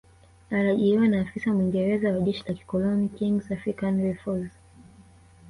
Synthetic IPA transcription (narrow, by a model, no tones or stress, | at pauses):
aɾaʄiɾiwanaːfisamwiŋɡɛɾɛzawaʄɛʃilaki̥kɔlɔnikiŋɡzafɾikanɹɛfɔlz